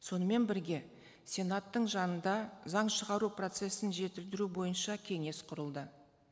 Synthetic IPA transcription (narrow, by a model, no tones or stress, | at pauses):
so̞nəme̞nbɪɾɡʲe̞ | sʲe̞nat̪ːəɴʒɑnənd̪ɑzɑɴʃəʁɑɾupro̞t̪se̞sɪnʒe̞t̪ɪld̪ɪɾubo̞jənʃɑkʲʰe̞ŋe̞sqʰʊɾəlˠd̪ə